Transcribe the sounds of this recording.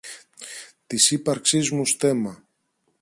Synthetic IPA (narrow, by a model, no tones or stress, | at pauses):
t̪isipɐɾksizmust̪e̞mɐ